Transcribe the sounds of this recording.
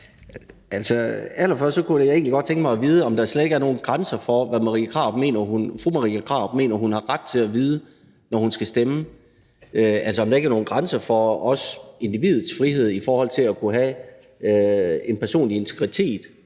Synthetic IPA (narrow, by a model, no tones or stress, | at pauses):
ælsɒælɐfɶɐsd̥sɒ̽kʰuejae̝ːŋnli̥ɡɒ̽d̥̚t͡sʰeŋɡ̥mɑ̈ɪɒʋiːð̞ˠəɒ̽md̥ɑsled̥e̝ɡæɐno̝ːn̩ɡ̥ʁɑnsɐfɒ̽ʋæmɑʁḭːkʰʁɑ̈ːb̥me̝̰ːnɐhunfʁumɑʁḭːækʰʁɑ̰̈ːb̥̚me̝̰ːnɐɦunhɑ̈ʁad̥̚t͡sʰe̝æʋiːð̞ˠə | nɒhunsɡ̥æsd̥emə | øælsɒɒ̽md̥ɑ̈eɡæɐno̝ːnɡ̥ʁɑnsɐfɒ̽ɒ̽se̝nd̥iʋið̩ˠsfʁihe̝ð̞̰ˠifɒːhɒ̽l̰t͡sʰe̝lækʰuɦæ | øe̝npʰæɐso̝̰ːnlie̝nt͡sʰeɡ̥ʁit͡sʰe̝̰ːd̥